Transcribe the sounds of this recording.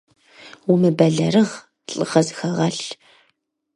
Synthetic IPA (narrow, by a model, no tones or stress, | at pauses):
wʊmɨbɐɮɐrɨʁ | ɬʼɨʁɐzxɐʁɐɬ